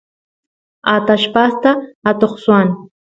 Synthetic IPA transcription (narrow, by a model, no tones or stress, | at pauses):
at̪aʃpast̪aːt̪oχswan